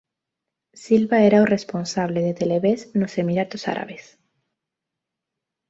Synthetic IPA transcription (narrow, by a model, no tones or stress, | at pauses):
silβaeɾaoresponsaβ̞leð̞et̪eleβesnosemiɾat̪osa̰ɾa̰βes